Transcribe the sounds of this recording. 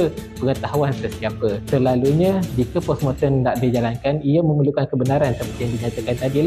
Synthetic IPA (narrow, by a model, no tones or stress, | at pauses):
əpəŋət̪aɦuansəsiapəsəlaluɲãd͡ʒikapɔsmɔt̪ɔndaʔdid͡ʒalankanijəmə̃məlukankəbənaɾansəpət̪ijaŋdiɲat̪akant̪adil